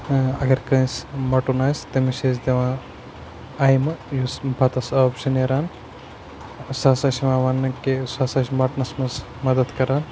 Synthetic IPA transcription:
ɐɡɐɾkɐ̃smɐʈunaːsʲt̪ɐmiʃeːzd̪eʋãː | ɐjmɨjusbɐt̪ɐsɐbʃɐneɾaːn | saːsɐʃiʋãːʋɐnːɐkesaːsɐʃmɐʈnɐsmɐz | mɐd̪ɐd̪kɐɾaːn

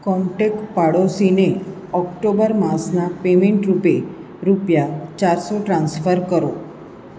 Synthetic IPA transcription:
kɔmʈekpaɽosine | ɔkʈobəɾmaɾsnapemeɳʈɾupe | ɾupjat͡ɕaɾsoʈɾãnsfəɾkəɾo

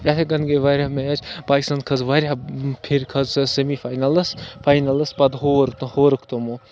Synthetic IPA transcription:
ɐt̪ʰeɡɐnɡeʋaɾʲamet͡ʃpaːkist̪ankʰɐzʋaɾʲapʰiɾkʰɐzsemifʰaːjnɐlɐspʰaːjnɐlɐspɐd̪ɦoːɾt̪ɐhoːɾɨkʰt̪omu

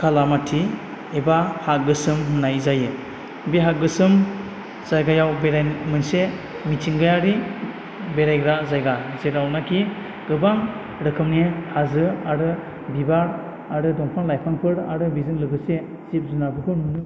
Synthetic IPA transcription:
kʰalamatʰi | ebahat̚ɡɯsɯmɦɯnajzajɯ | biɦaɡɯsɯm | z̥ajɡajawbeɾajmɯnse | mitʰiŋɡajaɾi | beɾajɡɾazajɡazeɾawnakʰi | ɡɯbaŋ | ɾɯkʰɯmnihazɯaɾɯ | bibaɾ | aɾɯdɔŋpʰaŋlajpʰaŋpʰɯɾa̰ɾɯbizɯŋlɯɡɯse | z̥ip̚zunabɯkʰununɯ

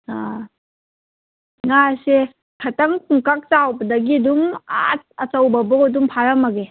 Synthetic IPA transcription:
a | ŋase | kʰɐtɐŋkʰuŋkak̚t͡ʃawbɐdɐɡiduŋa̰t̚ɐt͡ʃɐwbɐbɐkɔdumpʰaɾɐmɐɡe

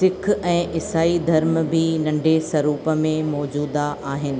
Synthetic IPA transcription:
sɪkʰɛ̃ːʔɪsaːid̪ʱɐɾmbʱinɐ̃ɳɖʱesɐɾuːpəmẽmɔːd͡ʑuːd̪aʔaːɦɪnɪ̆

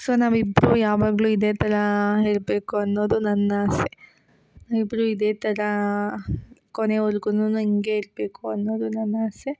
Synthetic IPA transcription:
soːnaːʋibːɾujaːʋaːɡɐɭuid̪e̞ːt̪ʰɐɾɐɦe̞ːɭbe̞ːkuɐnːo̞ːd̪unɐnːaːse | naːʋibːɾuid̪e̞ːt̪ʰɐɾɐ | koneɔɾɡununuiŋɡeiɾbe̞ːkuɐnːo̞ːd̪unɐnːaːse

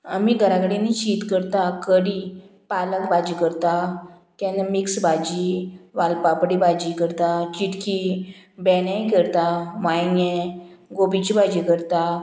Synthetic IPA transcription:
amiɡʱəɾãkəɽinit͡ɕiːt̪kəɾt̪akəɽipaləkbad͡ʑikəɾt̪a | t̪ãnamiksbad͡ʑiʋalpapɽibad͡ʑikəɾt̪at͡ɕiʈkibɛnãjkəɾt̪amajnje | ɡobit͡ɕibad͡ʑikəɾt̪a

